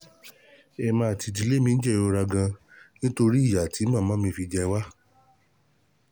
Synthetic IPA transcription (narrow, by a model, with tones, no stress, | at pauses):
ɛ˧˨mãː˧a˨ti˧d̬i˧˦le˦mĩ˧n̩˦d͡ʒɛ˦˨o˧ɾa˧ɡã˧nĩ˦to˧ɾi˦i˦˨ja˨ti˨˦mã˦˨mãː˨˦mĩ˧fi˧d͡ʒɛ˧wa˦